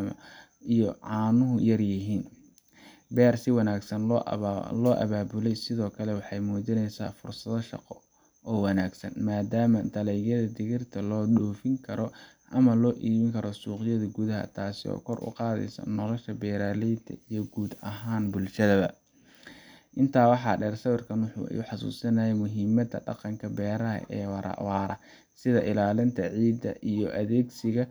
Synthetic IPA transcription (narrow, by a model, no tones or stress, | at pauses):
mɐ̰ | ijɔʕɑːnʊɦʊjɐrjɪɦiːn | bɛːrsɪwɑnaːɡsɐn | lɔːʔɐ̰βaːbʊlɛjsɪðɔːkʰɐlɛwɑħɑjmuːdɪnɛjsa̰ːfʊrsɐðɐʃɑ̰qɔ | ɔːwɑnaːɡsɐ̰nmaːd̪aːmɐd̪ɐlɛjɣjɐðɐd̪ɪɣɪrt̪ʰɐlɔːɗɔːfɪŋkʰɐɾɔʔɐmɐlɔːʔiːβɪŋkʰɐɾɔsuːqɪjɐðɐɡuðɐɦɐ̰t̪ʰaːsɪɔ̰ːkʰɔrʔʊ̰qɑːðɛ̰jsɐ̰nɔlɔʃɐbɛːɾaːlɛjt̪ʰɐ̰ijɞɡuːd̪ɐɦaːnbʊlʃɐðɐβɐ | ʔɪnt̪ʰaːwɑħɑːɖɛːrsɐβɪrkʰɐnwʊħṵːɛ̰juħɑsṵːsɐnɐjɛjmʊɦiːmɐd̪ɐɖɑ̰qɑŋkʰɐbɛːɾɐɦɐ̰ʔɛːwɑɾʔɑ̰wɑːɾɐ | sɪðɐʔɪlaːlɪnt̪ʰɐʕiːd̪ɐʔijɔʔɐðɛːɡsɪɣɐ